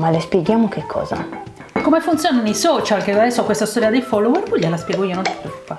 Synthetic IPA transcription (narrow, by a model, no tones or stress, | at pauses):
malespjeɡjaːmokʰekʰːɔ̰ːza̰ | kːomefunt̪sjoːnanejsɔːt͡ʃalked̪ad̪ɛsːoakwest̪ast̪ɔːɾiad̪efɔlːowɛɾbuʎːelaspjɛɡoiːonõni̥t̪ɾupːa